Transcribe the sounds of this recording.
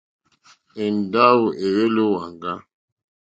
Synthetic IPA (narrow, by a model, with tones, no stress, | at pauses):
e˨n˨da˦wu˨ʔe˨we˦lo˦wa˨ŋɡa˦